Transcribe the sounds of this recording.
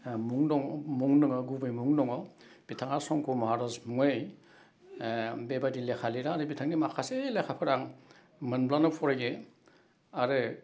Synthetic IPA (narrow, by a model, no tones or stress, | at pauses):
muŋdɔŋmuŋnɯŋɯɡubɯjmuŋnɔŋɔ | b̥itʰaŋaɾsɔŋkʰumaaɾazmuŋej | bebadilekʰaliɾaɾɯbitʰaŋnimakʰaselekʰapʰɯɾaŋ | mɯnblanɯpʰɔɾajɡe | aɾɯ